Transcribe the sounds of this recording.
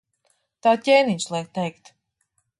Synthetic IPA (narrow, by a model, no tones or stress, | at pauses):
t̪aːcʲɛjniɲslˠɛk̚t̪ɛjkt̪